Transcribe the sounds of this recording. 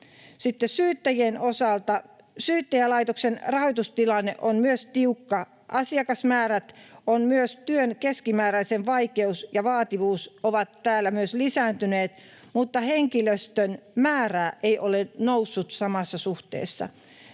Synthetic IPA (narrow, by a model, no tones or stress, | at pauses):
sit̪ːessyːt̪ːæjienosɑlt̪ɑ | syːt̪ːæjælɑit̪oksenrɑhojt̪ust̪ilɑnːḛʔonmyøst̪iukːɑ | ʔɑsiɑkɑsmæːræt̪onmyøst̪yønkeskimæːɾæisenʋɑikeusjɑʋɑːt̪iʋuːsoʋɑt̪tæːlːæmyøslisæːnt̪yneːt̪ | mut̪ːɑheŋkiløst̪ønmæːræːʔeiʔolenousːut̪sɑmɑsːɑsuht̪ḛːsːɑ̰